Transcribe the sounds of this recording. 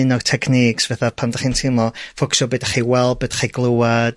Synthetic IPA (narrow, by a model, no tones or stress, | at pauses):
ɨnɔrtʰɛkʰniːksvɛθapʰamdaχiːntʰɪmlɔfʊksɔbədaχiwɛl̚ˠbəd̥ḁχiɡlˠowad